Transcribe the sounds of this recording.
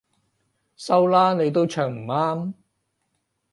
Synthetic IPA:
sɐ˥wlaː˥ne˨˧jt̪o˥wt͡ʃʰœː˨˩ŋm̩˨˩aː˥m

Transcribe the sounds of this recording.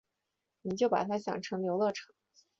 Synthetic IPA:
ni˨˩t͡ɕjo˥˩ʊpa̰˨˩t̪ʰa˥ɕjɑ̰˨˩ŋʈ͡ʂʰɤ˧˥ŋljo˧˥ʊlɤ˥˩ʈ͡ʂʰɤ̥˨˩˦

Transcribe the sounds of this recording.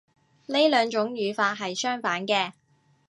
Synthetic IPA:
ne˥jlœː˨˧ŋt͡ʃʊ˨˥ŋjyː˨˧faː˧t̚ɦɐ˨jsœː˥ŋfaː˨˥nkɛː˧

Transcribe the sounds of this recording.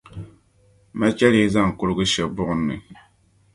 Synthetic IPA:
ma˦t͡ʃɛ˦li˦za˦˨ŋ˨kʊ˦ɾɡʊ˦ʃɛ˨bʊ˦ʔʊ˨nːɨ̰˨

